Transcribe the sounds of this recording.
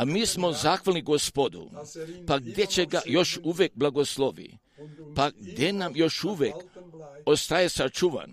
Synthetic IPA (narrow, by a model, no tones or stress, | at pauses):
amiːsmo̞zaːxʋalniɡospod̪ṵpaɡd̪jet͡ɕeɡajo̞ʃuʋek̚blˠaɡosloʋḭ | paɡd̪jenamjo̞ʃuʋekost̪ajesat͡ʃuʋa̰n